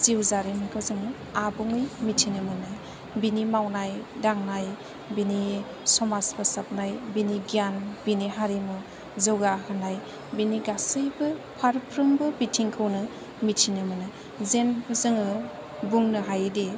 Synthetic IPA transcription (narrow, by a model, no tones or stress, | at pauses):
ziwzaɾimikʰawzɯŋɯ | abuŋɯjmitʰinɯmɯnɯ | binimawnajdaŋnaj | bini | sɔmasbɯsap̚najbiniɡijanbiniɦaɾimu | zɯwɡaɦɯnaj | biniɡasɯjbɯpʰaɾpʰɾɯmbɯbitʰiŋkʰɯwnɯ | mitʰinɯmɯnɯ | zenkʰɯzɯŋɯ | buŋnɯɦajdi